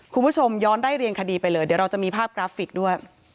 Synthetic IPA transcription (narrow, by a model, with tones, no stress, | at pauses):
kʰu˧nbuː˦˥˩t͡ɕʰo˧mjɔː˦˥ndaː˥˩jɾi˧ənkʰa˧diː˧pa˧jlɤː˧dɯ˩˦ɾa˧wt͡ɕa˨˩ʔmiː˧pʰaː˥˩p̚kɾaː˦˥fi˨˩k̚du˥˩əj